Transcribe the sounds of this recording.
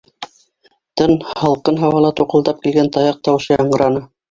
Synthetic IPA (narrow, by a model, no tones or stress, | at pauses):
t̪ɤnhɑlˠqɤnɦɑwɑlˠɑt̪uqɤ̆lˠd̪ɑp̚kilɡænt̪ɑjɑq̚t̪ɑwɤ̆ʃɤjɑɴɢɤ̆ɾɑnɤ